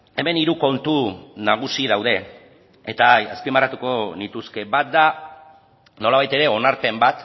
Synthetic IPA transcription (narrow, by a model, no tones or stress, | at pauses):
e̞me̞niɾuko̞nt̪unaɣ̞usiðawðe̞ | et̪aaspimarat̪uko̞nit̪uske̞βat̪̚d̪a | no̞laβ̞ajt̪e̞ɾe̞o̞naɾpe̞mbat̪